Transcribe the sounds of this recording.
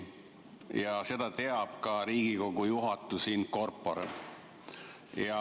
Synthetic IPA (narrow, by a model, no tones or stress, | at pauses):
jɑse̞d̪̥ɑt̪e̞ɑb̥kɑɾiːɡ̥iko̞ɡujuɦɑt̪ːˑusiːnko̞rpːo̞̰ɾ | jɑ